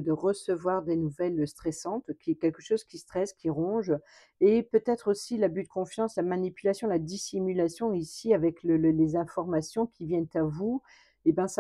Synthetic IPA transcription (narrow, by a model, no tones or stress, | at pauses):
d̪əʁəsəvwaʁd̪enuvɛlst̪χɛsɑ̃t̪kʲiɛkʲɛlkəʃozkʲist̪χɛskʲiʁɔ̃ʒ | epøt̪ɛt̪χosilabyt̪d̪əkɔ̃fjɑ̃slamanipylasjɔ̃lad̪isimylasjɔ̃isiavɛkləllezɛ̃fɔʁmasjɔ̃kʲʰivjɛnt̪avu | ebjɛ̃sa